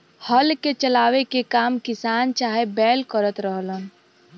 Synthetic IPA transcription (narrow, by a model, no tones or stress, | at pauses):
həlket͡ʃəlaːwekekaːmkɪsaːnt͡ʃaːɦebɛːlkəɾət̪ɾəɦlən